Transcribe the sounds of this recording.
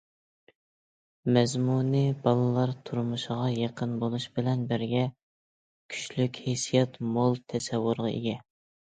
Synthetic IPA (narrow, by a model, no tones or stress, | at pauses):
mɛzmunɨbɑlˠɨlˠɑɾt̪ʰuɾmuʃʁɑjeqʰənbolˠuʃbɪlɛnbɪɾɡʲɛ | kʲʰy̥ʃlykʲhesijɑt̪molˠt̪ʰɛsɛwːʊɾʁɑʔḛɡʲɛ